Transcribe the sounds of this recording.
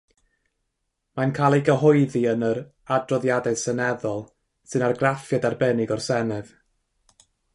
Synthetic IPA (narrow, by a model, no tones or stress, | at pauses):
mankʰalˠiɡəɦɔɨðiənəɾ | adrɔðjadɛsənɛðɔlˠ | sɨnarɡrafjadarbɛnɪɡɔrsɛnɛð